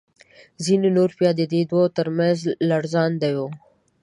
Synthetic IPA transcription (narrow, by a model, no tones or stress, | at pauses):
zinonoɾpjɑd̪əd̪ed̪wot̪əɾmanzlaɽzɑnd̪ajo